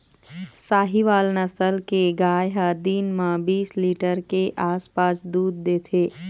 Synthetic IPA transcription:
saːɦiʋaːlnəsəlkeɡaːjɦəd̪iːnmãbiːsliːʈəɾkeʔaːspaːsd̪uːd̪̚ːeːt̪ʰeː

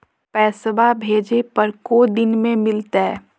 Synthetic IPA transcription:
pɛːsʋabʱeːd͡ʒepɐɾkod̪ɪnmẽmɪlt̪aɦɛː

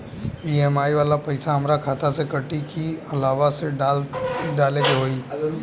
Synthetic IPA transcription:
piːeːmaːiʋaːlapɐɪsaɦəmɾakʰaːt̪ʰasekəʈikʰiɐlaːʋase | ɖaːled͡ʒɦoːiː

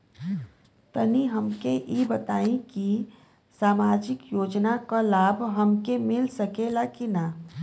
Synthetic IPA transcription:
t̪əniɦɐmkeʔibɐt̪aːĩki | saːmaːd͡ʒɪkjoːd͡ʒnakalaːbʱɦɐmkemɪlsɐkelakina

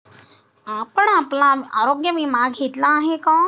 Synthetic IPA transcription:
apəɳaplãa̰ːɾoɡjəʋimaɡɦet̪laːɦekɔ̃ː

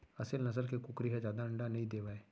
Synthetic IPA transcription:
əsəlnəsəlkekʊkɾiːɦad͡ʒjaːd̪aːəɳɖaːnəĩːd̪eːʋaːeː

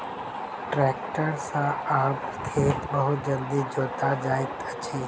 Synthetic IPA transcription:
ʈɾɛːk̚ʈəɾsãaːpt̪ʰeːt̪bɐɦud͡ʒə̃nd̪id͡ʒoːt̪ad͡ʒaːɪt̪ɐt͡ɕeː

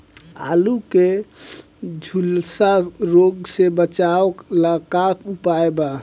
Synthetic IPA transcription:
a̰luke | d͡ʒʱulsaɾoɡsebət͡ʃaəkləkakupaeba

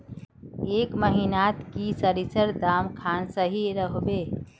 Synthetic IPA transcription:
ekməɦinat̪kisəɾisəɾd̪amkʰansəɦiɾəɦbe

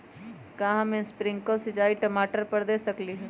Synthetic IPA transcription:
kãːɦãmẽnspɾɪ̃ŋkəlsɪt͡ʃaːiʈɐmaːʈəɾpɐɾd̪eːsɐkliɦɛː

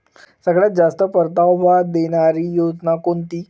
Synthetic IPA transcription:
səɡɭjat̪̚d͡zast̪əpəɾt̪awbʱad̪eɽ̃aɾiːjod͡znakoɳt̪iː

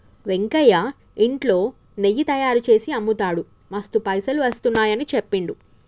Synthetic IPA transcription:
ʋe̞ŋkɐja | iɳʈlo̞ː | nejit̪ɐjaːɾut͡ʃe̞ːsiɐmːut̪aːɽu | mɐst̪upɐjsɐluʋɐst̪unːaːjɐnit͡ʃepːiɳɖu

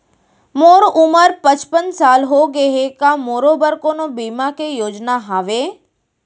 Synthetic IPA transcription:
moːɾʊməɾpət͡ʃpənsaːlɦoɡəɦekamoːɾobəɾkonobiːmakejoːd͡ʒnaɦaːʋeː

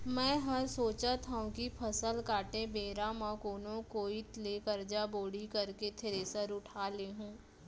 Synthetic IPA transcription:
mɛ̃ːɦɐɾsoːt͡ʃat̪ʰaũkipʰɐsəlkaːʈẽbeːɾãmãkoːnõkoːit̪leːkɐɾd͡ʒaboːɽikɐɾket̪ʰɪɾeːsəɾʊʈʰaːleɦũː

